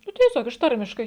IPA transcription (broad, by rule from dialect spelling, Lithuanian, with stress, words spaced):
ˈnʊ tʲiɛˈsʲoːk ɪʃ ˈtɐrʲmʲɪʃkɐɪ